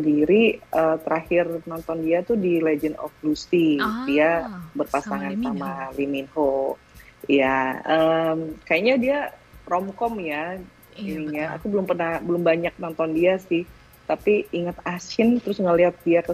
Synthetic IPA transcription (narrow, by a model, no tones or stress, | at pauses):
əndiɾiʔət̪əɾahɪrnɔnt̪ɔndiat̪udiled͡ʒəndɔ̰flusidiabərpasaŋansamaliminho | jaəmkajaɲadiarɔmkɔmja | iniɲaa̰kubəlʊmpərnahbəlʊmbaɲak̚nɔnt̪ɔndiasɪh | t̪apiiŋat̪asɪnt̪əɾʊsŋəliɦat̪̚diakə